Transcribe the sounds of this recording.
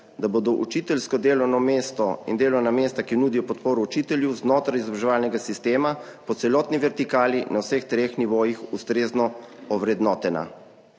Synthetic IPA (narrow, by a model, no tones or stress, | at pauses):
d̪aboːd̪ɔʔut͡ʃit̪ɛlskɔd̪eːlɔwnɔmeːst̪ɔḭnd̪eːlɔwnameːst̪akinuːd̪ijɔpɔt̪poːɾɔut͡ʃit̪ɛljɛwznoːt̪ɾajizɔbɾaʒɛʋaːlnɛɡasist̪eːmapɔt̪sɛlɔːt̪niʋɛɾt̪ikaːlinawsext̪ɾeːxniʋoːjixust̪ɾeːznɔɔʋɾɛd̪nɔːt̪ɛna̰